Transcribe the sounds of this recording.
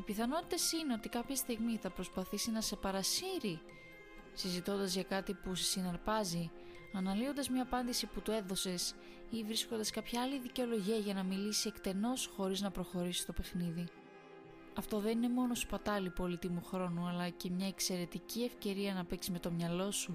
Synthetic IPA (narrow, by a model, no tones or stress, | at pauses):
ipiθɐno̞t̪i̥t̪e̞sine̞o̞t̪ikɐpçest̪iɣmiθɐpɾo̞spɐθisinɐse̞pɐɾɐsiɾi | sizit̪o̞nd̪ɐzʝɐkɐt̪ipusesinɐɾpɐzi | ɐnɐlio̞nd̪ɐzmɲɐːpɐnd̪isiput̪ue̞ðo̞se̞s | ivɾisko̞nd̪ɐskɐpçɐɐliðiceo̞lo̞ʝiɐʝɐnɐmilisiekt̪e̞no̞sxo̞ɾiznɐpɾo̞xo̞ɾisi̥st̪o̞pe̞xniði | ɐft̪o̞ðenine̞mo̞no̞su̥pɐt̪ɐlipo̞lit̪imuxɾo̞nuɐlɐce̞mɲɐe̞kse̞ɾe̞t̪icie̞fce̞ɾiɐnɐpeksizme̞t̪o̞mɲɐlo̞su